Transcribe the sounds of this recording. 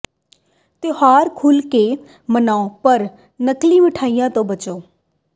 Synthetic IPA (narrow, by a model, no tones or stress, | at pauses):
t̪ɪɦaːɾkʰʊlkeː | mənaːopəɾ | nəklĩːmɪʈʰaːijãːt̪õːbət͡ʃoː